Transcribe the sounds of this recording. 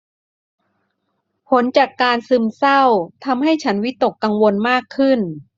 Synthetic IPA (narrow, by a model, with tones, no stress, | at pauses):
pʰo˩˦nt͡ɕaː˨˩kːaː˧nsɯ˧msa˥˩wt̪ʰa˧mɦa˥˩jt͡ɕʰa˦˥nwi˦˥t̪o˨˩kːa˧ŋwo˧nmaː˥˩kʰːɯ˥˩n